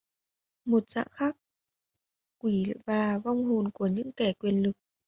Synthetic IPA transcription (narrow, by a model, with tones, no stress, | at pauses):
mo˨˩t̚z̥a̰ː˧˨ŋxaː˦˥k̚ | wi˧˩vaː˨˩va˧wŋ͡mɦo˨˩nku˧˩əɲɨ̰˧˥ŋkɛ˧˩kwi˨˩ənlɨ˨˩k̚